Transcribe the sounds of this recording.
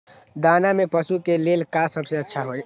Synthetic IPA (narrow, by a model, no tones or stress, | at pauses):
d̪anamepəsukelelkasəbseətːʃʰaɦoj